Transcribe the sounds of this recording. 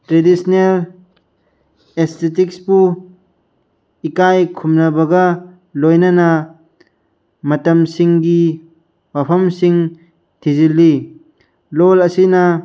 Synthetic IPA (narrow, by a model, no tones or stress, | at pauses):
tɾedisnel | est̪ʰetikspu | ikajkʰumnɐbɐɡa | lojnɐna | mɐtɐmsiŋɡi | wapʰɐmsiŋ | tʰizilːi | lɔlɐsina